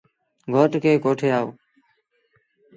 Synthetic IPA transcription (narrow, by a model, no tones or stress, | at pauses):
ɡʱoːʈkeːkoːʈʰeːaːoː